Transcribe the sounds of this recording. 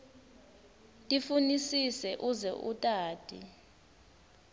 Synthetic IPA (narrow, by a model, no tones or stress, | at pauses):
tʼifunisisɛʔuzɛ̰ʔutʼaːtʼḭ